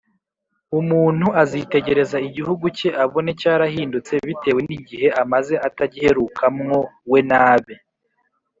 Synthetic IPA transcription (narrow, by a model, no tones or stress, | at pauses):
umuːn̥huʔazite̞ɟe̞ɾe̞zaiɟihuɡuce̞ʔaβo̞ne̞caːɾahiːndut͡se̞βite̞ːwe̞niɟihe̞ʔamaze̞ʔataɟihe̞ɾuːkʰamŋo̞we̞naːβe